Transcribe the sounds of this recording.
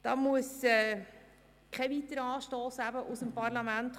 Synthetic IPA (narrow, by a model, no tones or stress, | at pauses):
d̥ɑmuəsɛː | kʰɛvit̪əɾɑːʃtoːsæbəʔʊsəmpɑrlɑmænt̪